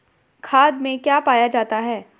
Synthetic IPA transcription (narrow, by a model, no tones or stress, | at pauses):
kʰaːd̪mẽkjaːpaːjad͡ʒaːt̪aɦɛː